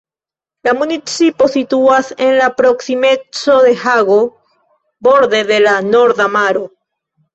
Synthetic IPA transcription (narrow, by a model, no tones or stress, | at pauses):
lamunit͡siposit̪uasenlapɾoksimet͡soðehaɣo | boɾðeðelanoɾðamaɾo